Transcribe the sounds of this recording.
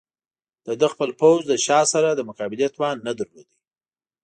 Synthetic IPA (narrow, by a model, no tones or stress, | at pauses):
d̪̥əd̪əxpəlpowzd̪əʃɑsaɾad̪əmʊkɑbɪljat̪wɑnːad̪əɾlo̰d̪i